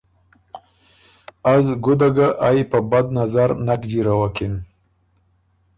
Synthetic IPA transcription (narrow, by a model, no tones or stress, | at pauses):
azɡʊd̪aɡaʔajpəbad̪nazaɾnakd͡ʒiɾawakin